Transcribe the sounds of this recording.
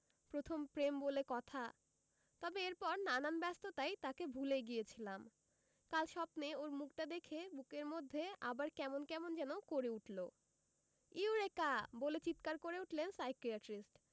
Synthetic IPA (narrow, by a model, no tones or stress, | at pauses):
pɾot̪ʰompɾembolekɔt̪ʰa | t̪ɔbeeɾpɔɾnananbɛst̪ot̪ajt̪akebʱuleɡijet͡ɕʰilam | kalʃɔbneoɾmukʈad̪ekʰebukeɾmod̪ʱːea̰baɾkɛmonkɛmond͡ʑɛnokoɾeuʈlo | iuɾekabolet͡ɕit̪kaɾkoɾeuʈlensajkiaʈɾisʈ